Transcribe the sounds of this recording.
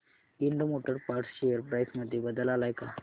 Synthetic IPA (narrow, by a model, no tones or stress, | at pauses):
iɳɖomoʈəɾpaɾʈsɕejəɾpɾajsməd̪ʱːjebəd̪əlalajka